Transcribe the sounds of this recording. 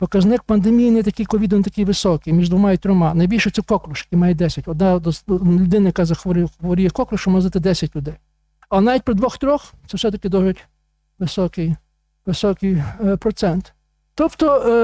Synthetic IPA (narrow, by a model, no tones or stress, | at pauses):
pɔkɐznɪk̚pɐnd̪emʲijinɛɛt̪ɐkijkɔʋʲid̪ɔnt̪ɐkijʋɪsɔkɪjmʲiʒd̪ʋɔmɑit̪ɾɔmɑnɐjbʲilʲʃɛt̪sɛkɔklˠʊʃjɐkijmɑjɛd̪ɛsʲɐtʲɔd̪nɑd̪ɔslʲʊd̪ɪnɐjɐkazɐxɔɾɪxɔʋɔɾʲijɛkɔklˠʊʃɔmɔzɪt̪ɪd̪ɛsʲɐt̚ʲlʲʊd̪ɛj | ɐnɑʋʲit̚ʲpɾɪd̪ʋɔxt̪ɾʲɔxt̪ɛwsɛt̪ɐkɪd̪ɔʒɪtʲ | ʋɪsɔkɪj | ʋɪsɔkɪjpɾɔt̪sɛnt̪ | t̪ɔpt̪ɔ